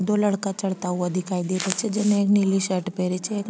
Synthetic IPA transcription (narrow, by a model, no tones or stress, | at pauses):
d̪oːlɐɽkat͡ʃɐɽt̪aɦuɐd̪ʱɪkaːid̪iːɾet͡ʃʰed͡ʒɛnẽeːkniliʃəɾʈpeɾit͡ʃʰeeːk